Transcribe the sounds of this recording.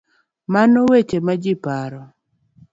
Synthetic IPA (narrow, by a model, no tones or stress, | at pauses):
manowet͡ʃemad͡ʒɪpaɾɔ